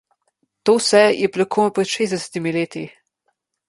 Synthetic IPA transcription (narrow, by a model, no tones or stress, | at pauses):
t̪oːwsɛjɛplakʰoːnɔpɾɛt̪ʃezd̪ɛsɛ̥t̪imileːt̪i